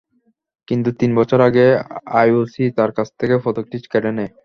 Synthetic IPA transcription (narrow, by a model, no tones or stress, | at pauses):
kint̪ut̪inbɔt͡ɕʰoɾaɡeajosit̪aɾkat͡ɕʰt̪ʰekefɔt̪ok̚ʈit͡ɕkɛʈenɛ